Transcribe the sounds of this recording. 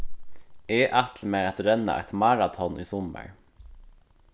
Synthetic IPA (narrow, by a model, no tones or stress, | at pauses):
ɛːʔat̪ʰlmɛat̪ɾɛnːa̰ʔɛ̰t̪mɑɾat̪ʰɔnʔiːsɔmːə̰ɾ